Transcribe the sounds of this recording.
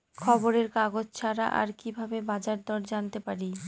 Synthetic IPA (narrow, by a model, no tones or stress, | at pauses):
kʰɔboɾeɾkaɡod͡ʑt͡ɕʰaɾaʔa̰ɾkibʱabebad͡ʑaɾd̪ɔɾd͡ʑant̪epaɾi